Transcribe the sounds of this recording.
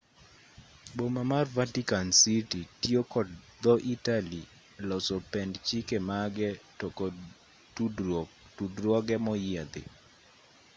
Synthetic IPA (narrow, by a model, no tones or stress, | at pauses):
bomamarvatikansititiokɔdd̪ɔʔitali | lɔsopɛndt͡ʃikemaɡɛ | ɔk | tud | tudɾwɔɡɛmɔjɪad̪ɪ̰